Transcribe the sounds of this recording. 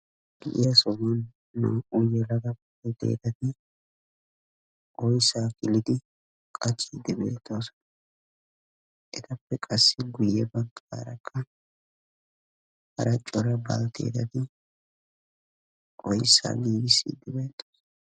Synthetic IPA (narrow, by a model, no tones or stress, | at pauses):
b̥ɪʔɪɐsɔmɔnː | o̰ːʔujɛlɐɡɐbɐt̪ḛːd̪ɐt̪ɪ | ʔɔjsaːkʼɪlɪd̪ɪ | kʼɐt͡ʃʼːiːd̪ːɪbḛːt̪ʼːoːs | ʔɛt̪ɐpːɛkʼɐsːɪɡʊjːɛbɐŋkʼa̰ːɾɐkʰːɐ | hɐ̰ɾɐt͡ʃʼːɔɾɐba̰lt̪ḛːd̪ɐt̪ɪ | ʔɔjsːa̰ːɡiːɡɪsːḭːd̪ɪbeːt̪ʼːoːs